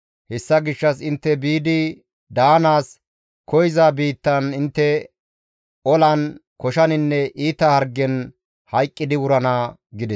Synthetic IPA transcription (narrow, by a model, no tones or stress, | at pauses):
hɛsːɐɡɪʃːɐsɪnt̪ːɛbiːd̪ɪ | d̪aːnaːs | kʰɔjzaːbiːt̪ːɐnɪnt̪ːɛ | ɔlɐn | kɔʃɐnɪnːɛʔiːt̪ɐhɐɾɡːɛn | hɐjkʼːɪd̪ɪwʊɾɐnaːɡɪd̪ɛs